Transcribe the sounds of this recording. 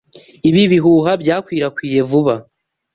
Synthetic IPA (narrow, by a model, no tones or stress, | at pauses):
iβiβiɦuːɦabjaːkwiːɾakwiːje̞vuβa